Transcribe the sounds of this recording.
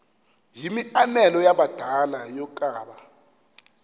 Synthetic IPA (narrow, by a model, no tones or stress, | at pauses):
jimianɛlɔjaɓad̥ʱalajɔkʼaːɓa